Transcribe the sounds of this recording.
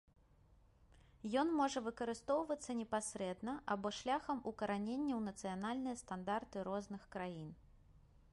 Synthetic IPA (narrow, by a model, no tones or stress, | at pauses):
jɔnmɔʐɐvɨkɐɾɨst̪ɔwvɐt̪sːɐnʲɛpasʲɾɛd̪nɐʔabɔʂlʲaxɐmʔukɐɾanʲenʲːɐwnɐt̪sɨjanalʲnɨjɐst̪and̪art̪ɨɾɔznɨxkɾajin